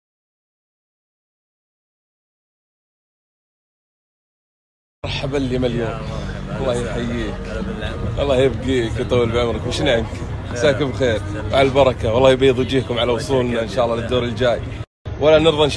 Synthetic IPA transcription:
ɾˤħabalːiːmaljoːmwɑlˤːɑːhjħajːiːkʔɑ̰lˤːɑːjɪbɡiːkjt̪ˤɑwːɪlbʕɪmɾɪkwɪʃnʕɪnksaːkɪbxeːɾwʔʕalalbɑɾˤɑkawɑlːɑːhjbijːɨðˤjd͡ʒiːkʊmʕalawʊsˤuːlnaʔɪnʃaːʔɑlːɑlɪd̪ːoːɾɪld͡ʒaːj | wʔalːanɪɾðˤɑʔɪnʃ

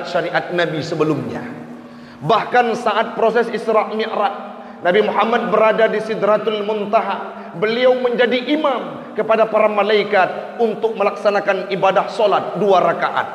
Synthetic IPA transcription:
t̪̚ʃaɾiʔat̪̚nabisəbəlumɲa̰ | bahkansaʔat̪̚pɾosɛsisɾaʔmiʔɾat̪̚ | nabimuɦamat̪̚bəɾadadisid̪ɾat̪ʊlmunt̪aɦa | bəliawməɲd͡ʒadiʔimam | kəpadapaɾamalaikat̪̚ | unt̪ʊk̚məlaksanakanibadahsolat̪̚duaɾakaʔa̰t̪̚

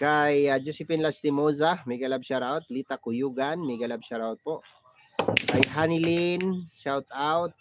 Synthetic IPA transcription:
kajad͡ʒusɪpɪnlast̪ɪmozamɐjɡalabʃaɾaot̪̚lit̪akʊjuːɡanmɐjɡalab̚ʃaɾaʊt̪̚poʔ | kajɦanɪlinʃawt̪awt̪̚

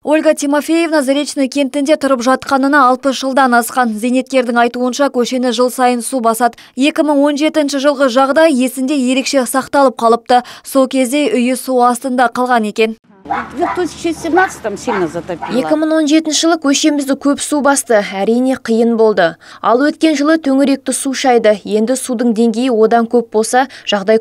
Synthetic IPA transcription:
o̞lʲɡɑt̪ʰʲijmo̞fʲeje̞vnɑzaɾe̞t̪t͡ʃnəkʲʰe̞nt̪ɪnd̪e̞t̪ʰʊɾəpʒɑt̪qɑnənɑːlˠpəsʒəlˠd̪ɑnɑsqɑnze̞jne̞t̪̚kʲe̞ɾd̪ɪŋɑjt̪uənʃɑkʲʰɵʃe̞nɪʒəlˠsɑjənsubɑsɑd̪ə | je̞kʲɪməɴwo̞nʒe̞t̪ɪnʃɪʒəlˠʁəʒɑʁd̪ɑjje̞sɪnd̪e̞je̞ɾe̞kʃe̞sɑqt̪ɑlˠəp̚qʰɑlˠəp̚t̪əso̞lˠkʲʰe̞zd̪e̞ʔʏjɪsuɑst̪ənd̪ɑqʰɑlˠʁɑne̞kʲe̞nʲ | t̪ʰʒeset̪nɑzat̪apje̞kʲɪməɴwo̞nʒe̞t̪ɪnʃɪʒəlˠəkʲʰɵʃe̞mɪzd̪ɪkʲʰɵpsubɑst̪əæɾijne̞qʰijənbo̞lˠd̪əɑlˠwɵt̪kʲe̞nʒəlˠət̪ʰɵŋɪɾe̞k̚t̪ɪsuʃɑjd̪əje̞nd̪ɪsud̪əɴd̪e̞ŋɡʲe̞jɪwo̞d̪ɑŋkʲʰɵp̚bo̞lˠsɑʒ̥ɑʁd̪ɑj

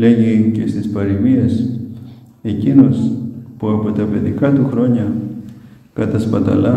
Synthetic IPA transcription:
leʝikest̪ispaɾiβias | ekinospoapot̪apet̪ikat̪uxɾoɲa | kat̪aspat̪a̰la

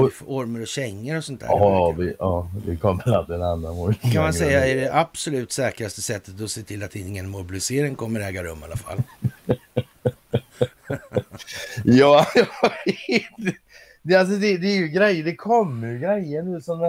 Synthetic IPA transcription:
fɔɾməɾɔɕɛŋːəɾɔsɔnt̪ʰæ̰ːvɪɑːvɪkʰɔmːəɾat̪̚d̪ɛnanːanmʊbɪkʰanmansɛjːaæɖɛʔab̥sɔlʉ̟ːt̪sɛːkɾast̪əsɛt̪ːət̪ɔseːt̪ʰɪlːat̪ɪŋːənmʊɾbɪlɪseːɾɪŋkʰɔmːəɾɛːɡaɾɵ̰mːa̰lːafa̰l | jɑːjɑvet̪ | d̪ɛals̬ɔd̪ɛd̪ɛːjɵɡɾɛjːəɖ̪ɛkʰɔmːəjɡɾɛjːəɳʉ̟ːsɔm

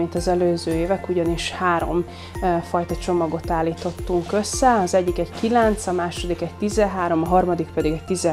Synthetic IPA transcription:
int̪ɒzɛløːzøːeːvɛkuɟɒniʃhaːɾo̞̰m | fɒjt̪ɒt͡ʃo̞mɒɡo̞t̪aːlːiːt̪o̞t̪ːuŋkø̞sːɛɒzɛɟːikɛɟkilɛnt̪sɒmaːʃo̞d̪ikɛɟ̚t̪izɛɦaːɾo̞mɒɦɒrmɒd̪ikpɛd̪iɡɛc̚t̪izɛ

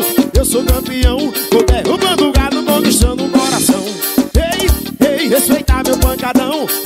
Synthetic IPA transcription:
ewsokɐ̃mpiɐ̃w̃pod̪eɾũmɐ̃luɡaɾnʊmõw̃d̪iʃt̪ɐ̃d̪ʊũkɔɾasɐ̃w̃ | ej | ejhespejt̪aɾmewpɐ̃kad̪ɐ̃w̃

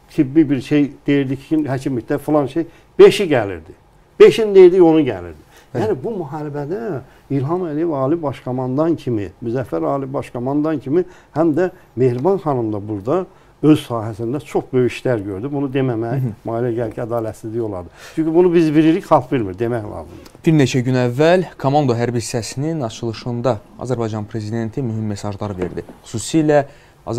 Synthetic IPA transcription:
t̪ʰibːibiɾʃe̞jd̪̥e̞jiɾd̪icʰi̥inhæcʰimict̪æfulˠɑnʃej | b̥e̞ʃiɟælḭɾd̪i | b̥e̞ʃind̪e̞jiɾd̪io̞nuɟæ̰lḭɾd̪i | jjæːnibumuɦɑɾibæd̪æ | ilɦɑmælijevɑːlibɑʃkʰomɑnd̪ɑncʰimḭmyzæfːæɾɑːlibɑʃkʰomɑnd̪ɑncʰimihæmd̪æ | me̞hɾbɑnxɑnɯmd̪ɑbuɾd̪ɑ | ø̞zsɑːɦæsind̪æt͡ʃʰo̞χbø̞jiʃlæɾɟø̞ɾd̪ybunud̪e̞mæmæjmɑːilæɟælcʰiæd̪ɑːlæt̪sizd̪ijo̞lˠɑ̰d̪ɯt͡ʃʰyɲcybunubizbiɾiɾiçxɑlˠfviɾmiɾd̪e̞mæçlˠɑ̰ːzɯ̰md̪̥ɑ̥b̥iɾne̞t͡ʃʰæɟynævːælkʰomɑnd̪o̞ɦæɾbisæsininɑt͡ʃʰɯlˠɯʃɯnd̪ɑɑ̰zæɾbɑjd͡ʒɑnpʰɾe̞zid̪e̞nt̪ʰimyɦimːe̞sɑʒlˠɑɾɯve̞̰ɾd̪iχu̥suːsilæ | ɑ̰

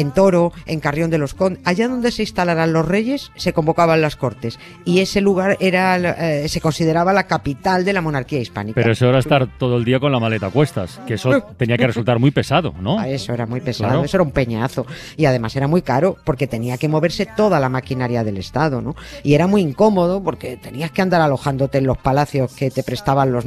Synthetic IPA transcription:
ent̪o̞ɾo̞e̞ŋkarjo̞nd̪e̞lo̞skonaʝaðo̞nd̪ese̞ist̪alaɾanlo̞sre̞ʝe̞sːe̞ko̞mbo̞kaβanlasko̞ɾt̪e̞s | ie̞se̞luɣ̞aɾe̞ɾase̞ko̞nsið̞e̞ɾaβalakapit̪ald̪e̞lamo̞naɾkiaispa̰nikpeɾaoeseoɾaest̪aɾt̪oðoeld̪iako̞nlamalet̪akwe̞st̪a̰skeesot̪eniakeresult̪aɾmijpe̞saðo̞̰noesoeɾamwipe̞sa̰ðesoeɾaumpe̞ɲaθo̞ | iaðe̞mase̞ɾamwikaɾo̞po̞ɾke̞t̪eniake̞mo̞β̞e̞ɾse̞t̪o̞ðalamakinaɾjaðe̞le̞st̪að̞ono | ie̞ɾamwiiŋko̞mo̞ð̞opo̞ɾke̞t̪e̞niaske̞and̪aɾalo̞xand̪ot̪e̞ːnlo̞spalaθjo̞ske̞t̪e̞pɾe̞st̪aβanlo̞z

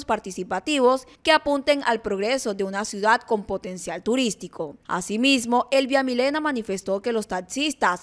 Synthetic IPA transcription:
spaɾt̪isipat̪iβo̞ske̞apunt̪e̞ŋʔalpɾo̞ɣɾe̞so̞ðe̞unasjuðad̪̚ko̞mpo̞t̪e̞nsjalt̪uɾist̪ikʰo̞a̰simizmo̞ʔe̞lβjamile̞namanife̞st̪o̞ke̞lo̞st̪aksist̪as

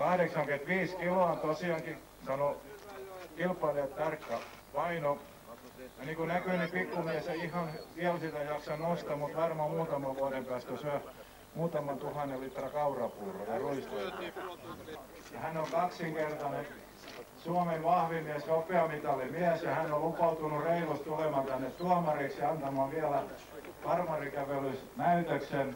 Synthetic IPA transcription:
kɑhɾeksɑŋkyent̪ʋiːskiloɑˑnt̪osiɑŋki | sɑno | kilpːˑɑljɑt̪t̪ɑrkːɑpɑino | jɑniːkunækyˑnipikːumiæsɑihɑnʋiælsit̪æjɑksɑnost̪ɑmut̪ʋɑrmɑmuːt̪ɑmɑʋʋuɑɾempæːst̪æsyæ | muːt̪ɑmɑnt̪uhɑnelit̪rɑkɑurɑpuːro̰jɑruist̪eltɑ | jɑhænoŋkɑksiŋkert̪ɑnen | suɑmeʋʋɑhʋimiæsjopeɑmit̪ɑlimiæsjɑhænollupɑut̪unureilott̪ulemɑˑnt̪ænːet̪t̪uɑmɑriksiɑnt̪ɑmɑˑʋiælæ | kɑrmɑrikæʋelys | næyt̪øksen

